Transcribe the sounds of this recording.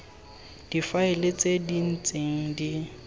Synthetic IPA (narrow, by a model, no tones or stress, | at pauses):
d̥ifaɪlɪt͡sʼedin̩t͡sʼeŋ̩di